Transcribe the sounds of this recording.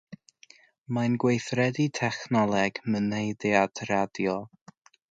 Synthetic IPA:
manɡwejθrɛditʰɛχnɔlˠɛɡ̥mənejdɪadʰradjɔ

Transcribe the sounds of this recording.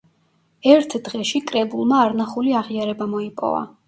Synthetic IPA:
ɛɾt̪ʰd̪ʁɛʃikʼɾɛbulˠmaːɾnaχuliaʁiaɾɛbamɔipʼɔ̰va̰

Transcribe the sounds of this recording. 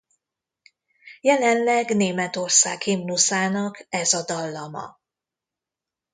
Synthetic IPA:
jɛlɛnlɛɡneːmɛt̪o̞rsa̰ːkhimnusaːnɒkɛzɒd̪ɒlːɒmɒ̰

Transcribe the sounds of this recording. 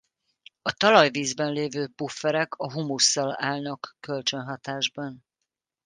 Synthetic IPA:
ɒt̪ɒlɒjviːzbɛnleːvøːpufːɛɾɛkʰɒɦumusːɒlaːlnɒkːølt͡ʃønɦɒt̪aːʒbɒn

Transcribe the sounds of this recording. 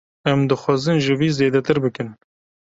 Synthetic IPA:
ɛmd̪ɨxʷɑːzɨnʒɪviːzeːd̪ɛt̪ɨɾbɨkɨn

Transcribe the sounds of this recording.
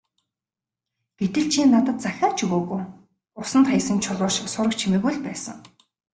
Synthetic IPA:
ɡ̥et̪ɘ̆ɮt͡ɕʰinːat̪ə̆t̪̚t͡saxʲaːt͡ɕʰuɣoːɣuː | ʊsə̆nt̪χajsə̆nt͡ɕʰʊɮʊːʃɪ̆ksʊɾə̆k̚t͡ɕʰimĭɣujɮpæːsə̰̆ŋ

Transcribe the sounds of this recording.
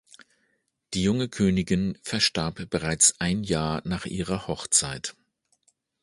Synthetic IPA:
d̥iːjʊŋəkʰøːnɪɡɪnfɛɐʃtaɐpb̥əʁaɪt͡sʔaɪnjaːɐnaːχʔiːʁɐhɔχt͡saɪt

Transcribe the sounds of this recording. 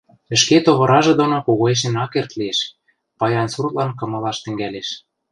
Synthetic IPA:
ɘ̆ʃket̪oβɤ̆ɾɑʒɤ̆d̪onokoɣoeʃ̬enɑkert̪lieʃ | pɑjɑnsurt̪lɑnkɤ̆mɤ̆lɑʃt̪ɘ̆ŋɡæleʃ

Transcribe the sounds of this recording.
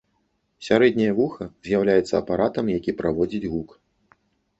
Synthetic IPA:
sʲaɾɛd̪ʲnʲɐjɐvuxɐzʲjawlʲajɛt̪sːɐːpaɾat̪ɐmjakʲipɾavɔd͡zʲid͡zʲɣuk

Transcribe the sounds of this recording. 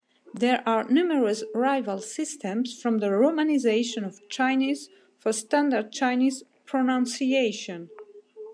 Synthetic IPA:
ðɛɹʔaɹnuməɹəsɹaɪvəlˠsɪstʰɛ̃msfɹɔ̃mðəɹomanizeɪʃə̃nɔv̥t͡ʃʰaɪniz | fɔɹstãndəd̚t͡ʃʰaɪnizpʰɹɔnãnsieɪʃə̃n

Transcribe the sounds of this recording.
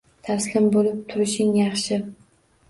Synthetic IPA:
t̪ʰaslɪmbolɪp̚t̪ʰʊɾɪʃɪŋjɑχʃɪ

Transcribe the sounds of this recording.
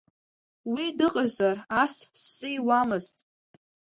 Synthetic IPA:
widɨqʼazarassːɨjwamɨztʼ

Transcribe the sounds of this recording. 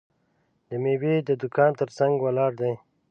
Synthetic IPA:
d̪əmewed̪əd̪ʊkʰɑːnt̪əɾsaŋɡwalɑːɽd̪aj

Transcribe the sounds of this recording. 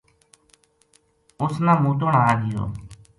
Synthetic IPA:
ʊsnãːmuːt̪oːɳaːlɪjo̰ː

